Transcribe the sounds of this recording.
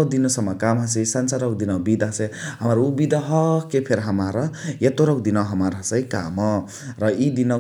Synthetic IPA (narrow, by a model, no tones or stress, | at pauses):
wd̪inosʌmːakamɦasesansaɾʌwd̪inʌwbid̪aɦʌseɦamaɾubid̪ʌɦʌkepʰeɾɦamaɾʌjet̪oɾʌwd̪inaɦamaɾɦʌsʌjka̰mʌ | ɾʌid̪inʌ